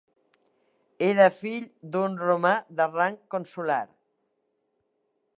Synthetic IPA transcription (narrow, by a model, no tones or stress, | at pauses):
eɾəfiʎd̪unromaðəraŋkonsulaɾ